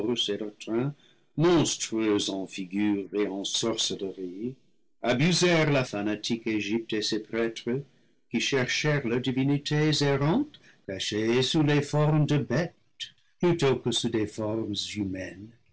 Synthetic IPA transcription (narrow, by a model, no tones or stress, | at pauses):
selətʁɛ̃ | mɔ̃stχyøzɑ̃fiɡyːʁeɑ̃sɔʁsədəʁi | abyzɛʁlafanatʰikeʒip̚tesepʁɛtχə | kiʃɛʁʃɛʁladivinitʰezeʁɑ̃t | kaʃesulefɔʁmdəbɛt | plyt̪okəsudefɔʁmzymɛn